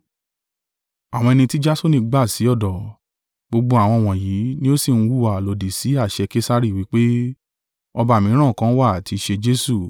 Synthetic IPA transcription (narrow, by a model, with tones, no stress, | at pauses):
a˨w̃ɔ̃˧ɛ˧nĩ˧ti˦d͡ʒa˦so˦nĩ˧ɡ͡ba˦˨si˨˦ɔ˦˨dɔ˨ | ɡ͡bo˧ɡ͡bo˧a˨w̃ɔ̃˧˨w̃ɔ̃˨ji˨˦nĩ˦o˦si˦˨ñ̩˦wu˦˨a˨lo˨di˨si˨˦a˦˨ʃɛ˧ke˦sa˦ɾi˦˨wi˨˦k͡pe˦ | ɔ˧ba˧˨mĩ˨˦ɾ̃ã˦˨kã˨˦wa˦˨ti˧ʃe˧d͡ʒe˦su˦˨